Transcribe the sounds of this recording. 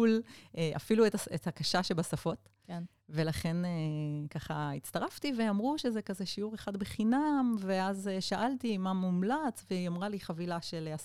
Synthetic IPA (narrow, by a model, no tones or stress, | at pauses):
uleʔa̰filuetaet̪hakaʃaʃebasafo̞t | ve̞laχe̞nekaχaitt͡staʁaft̪iveamʁuʃezekazeʃiuʁeχad̪beχinamveazeʃaʔalt̪imamumlat͡svejamʁaliχavilaʃeleas